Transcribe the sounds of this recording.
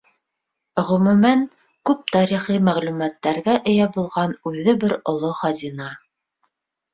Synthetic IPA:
ʁɵ̆mʉ̆mæn | kʉp̚t̪ɑɾiχimæʁlʉmæt̪ːæɾɡæʔɘ̆jæbulˠʁɑnʉðɘbɘɾŏlˠoχɑzʲinɑ

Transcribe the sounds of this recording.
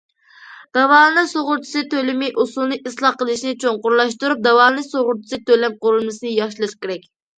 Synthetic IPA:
d̪̥ɑvɑːlˠɨnɨsoʁʊɾt͡ʃʰi̥sɨt̪ʰølɪmɪʔusulˠnɨʔislˠɑqəlˠɨʃnɪt͡ʃʰoŋqʊɾlˠɑʃt̪uɾup̚d̪ɛwɑːlˠɨnɨsoʁʊɾt͡ʃʰi̥sɨt̪ølɛm̚qʊɾulˠmɨsɨnɨjɑʃlˠɨʃkʲeɾɛkʲ

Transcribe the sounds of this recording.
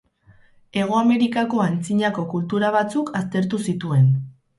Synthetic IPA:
e̞ɣ̞o̞ame̞ɾikako̞ant͡siɲako̞kult̪uɾaβ̞at͡sukʰast̪e̞ɾt̪̬usit̪ue̞n

